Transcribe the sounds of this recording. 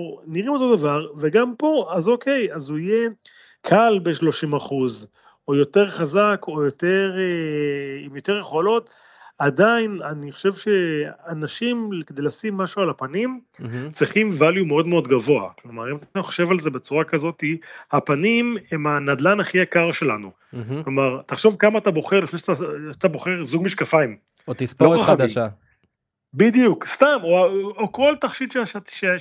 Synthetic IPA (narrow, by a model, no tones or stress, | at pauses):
niʁimo̞t̪o̞d̪avaʁveɡampo̞azo̞ke̞jazuije̞ | kʰalbeʃlo̞ʃimaχuz | ojo̞t̪e̞ʁχazakʰo̞jo̞t̪e̞ʁeimjo̞t̪e̞ʁjeχolo̞t̪ | ad̪ainaniχoʃe̞vʃe̞anaʃimkd̪e̞jlasimːaʃualapanimt͡sʁiχimvaljumeo̞d̪meo̞d̪ɡavo̞a̰klo̞maʁimat̪aaoχo̥ʃe̞valze̞be̞t͡suʁakazo̞t̪ihapanimemanad̪lanaχiakaʁʃe̞lanu | klo̞maʁt̪aχʃo̞vkamaːt̪abo̞χeʁlifneʃataat̪abo̞χe̞ʁzuɡmiʃkafaim | ot̪isoaχadim | bid̪ijukst̪amooko̞lt̪aχʃid̪ʃeaʃat̪ʃe